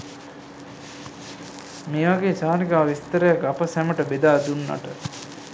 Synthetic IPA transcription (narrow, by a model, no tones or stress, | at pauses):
meːʋaɡeːsaːnikaːʋist̪əɾəjakapəsæməʈəbed̪aːd̪unːɐ̰ʈə